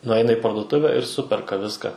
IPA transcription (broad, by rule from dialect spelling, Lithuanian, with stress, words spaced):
nʊˈɐɪnɐ ɪ pɐrdʊˈtʊʋʲæː ɪr ˈsʊpʲɛrkɐ ˈʋʲɪskɐ